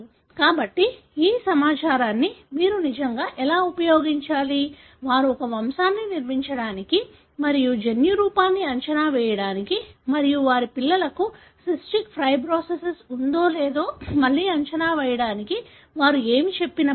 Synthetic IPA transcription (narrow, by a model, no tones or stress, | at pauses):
u | kaːbɐʈːi | iːsɐmaːt͡ʃaːɾaːnːimiːɾunid͡ʒɐŋɡaːʔɛlaːupɐjo̞ːɡiɲt͡ʃaːli | ʋaːɾuɔkɐʋɐmsaːnːiniɾmiɲt͡ʃɐɽaːniki | mɐɾijud͡ʒenjuɾuːpaːnːiɐɲt͡ʃɐnaːʋɛːjɐɽaːnikimɐɾijuʋaːɾipilːɐlɐku | sisʈikpʰɾɐjbɾoːsesɐsund̪o̞ːleːd̪o̞ːmɐlːiːɐɲt͡ʃɐnaːʋɛːjɐɽaːniki | ʋaːɾueːmit͡ʃe̞pːinɐ